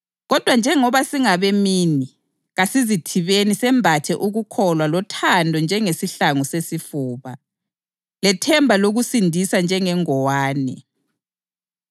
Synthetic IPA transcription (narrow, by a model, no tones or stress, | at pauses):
ɣɔd̥ʱwand͡ʒʱɛŋɔβasiŋaβɛmiːni | ɣasizitʰiβenisɛmbʱatʰɛʔuɣukʰɔlwalɔtʰandʱɔnd͡ʒʱɛŋesiɬaŋusesifuːβa | lɛtʰɛmbʱaloɣusindʱisand͡ʒʱɛŋɛŋɔwaːnɛ̰